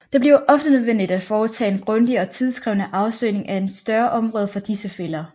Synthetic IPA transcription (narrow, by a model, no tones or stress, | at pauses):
d̥e̝b̥liɐʔɒ̽fd̥ənøðˠʋen̰d̥id̥æd̥fɒːt͡sʰɛ̰ːe̝nɡ̥ʁɔ̽nd̥iɒ̽t͡sʰið̞ˠsɡ̥ʁɛʊnəʔɑ̈ʊsø̰ːne̝ŋʔæe̝nsd̥ɶɐʔɒ̽mʁɔ̽ːð̞ˠfɒ̽d̥isəfel̰ɐ